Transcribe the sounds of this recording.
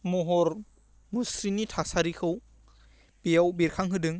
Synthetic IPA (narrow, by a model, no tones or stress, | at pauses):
mɔɦɔɾ | musɾinitʰasaɾikʰɯw | bijawbiɾkʰaŋɦɯdɯŋ